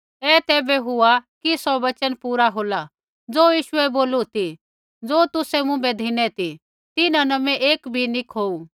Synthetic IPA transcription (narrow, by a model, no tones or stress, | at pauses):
ɛːt̪ɛːbɛɦʊakisɔbɐt͡ʃənpuːɾaɦoːla | d͡zoːjiːʃʊɛboːlut̪i | d͡zoːt̪ʊsɛmʊ̃bɛd̪ʱɪnɛt̪i | t̪ɪnãnɐmɛ̃ʔeːkbʱinɪkʰoːu